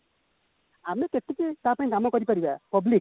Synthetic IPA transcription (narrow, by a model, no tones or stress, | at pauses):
amekeʈːiketapaĩdamɔkɔɾipaɾiba̰pɔblik̚